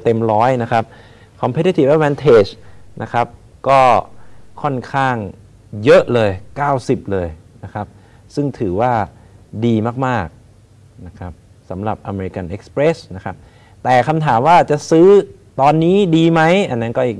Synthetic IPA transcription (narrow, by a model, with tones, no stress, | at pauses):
t̪e˧mɾɔː˦˥jna˦˥kʰa˦˥p̚ | kʰɔ˧mpʰe˦˥t̪i˧˥t̪ʰi˨˩p̚ʔɛ˦˥wɛː˧nt̪ʰeː˦˩t͡ɕnʔa˦˥kʰɾa˦˥p̚ | kɔː˥˩kʰɔ˥˩nkʰaː˥˩ŋ | jɤ˦˥ʔlɤː˧jkaː˥˩wsi˨˩p̚lɤː˧jna˦˥kʰa˦˥p̚ | sɯ˥˩ŋt̪ʰɯː˩˦waː˥˩ | diː˧maː˥˩k̚maː˥˩k̚ | na˦˥kʰɾa˦˥p̚ | sa˩˦mɾa˨˩p̚ʔa˧me˧ɾi˧ka˧nʔe˦˥k̚spɾe˦˥sna˦˥kʰa˦˥p̚ | t̪ɛː˨˩kʰa˧mt̪ʰaː˩˦mwaː˥˩t͡ɕa˨˩sɯː˦˥ | t̪ɔː˧nːiː˦˥diː˧ma˦˥jʔa˧nːa˦˥nkɔː˥˩ʔiː˨˩k